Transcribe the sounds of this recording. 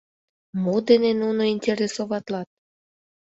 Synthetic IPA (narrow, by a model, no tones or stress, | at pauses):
mod̪enenunoinʲtʲeɾʲesoβɑt̪lɑt̪̚